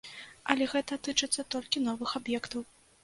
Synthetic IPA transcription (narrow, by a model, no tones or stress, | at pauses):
ɐlʲɛɣɛt̪ɐt̪ɨt͡ʂɨt̪sːɐt̪ɔlʲkʲinɔvɨxabjɛkt̪ɐw